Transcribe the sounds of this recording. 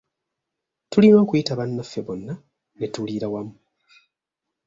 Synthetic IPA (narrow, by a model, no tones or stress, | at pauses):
tulino̞ːkujitaβanːafeβonːa | netuliɾawamu